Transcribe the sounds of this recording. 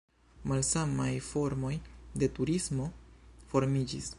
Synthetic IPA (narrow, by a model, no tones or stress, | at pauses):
malsamajfo̞ɾmo̞jde̞tuɾismo̞fo̞ɾmid͡ʒis